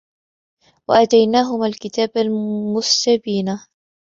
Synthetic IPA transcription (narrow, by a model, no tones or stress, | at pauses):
waʔat̪ajnaːɦʊmaːlkɪt̪aːbalmʊsːabiːna